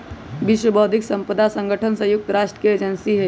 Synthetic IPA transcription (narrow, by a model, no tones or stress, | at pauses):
bɪʃwəbɔːd̪ʱɪksə̃mpəd̪asə̃ŋɡʱəʈʰənsəjʊk̚t̪ɾaːʃʈɾə̥kied͡ʒənsiɦɛ